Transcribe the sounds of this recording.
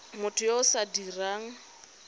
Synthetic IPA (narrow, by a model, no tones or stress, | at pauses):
mʊtʰʊjaʊsadiraːŋ̩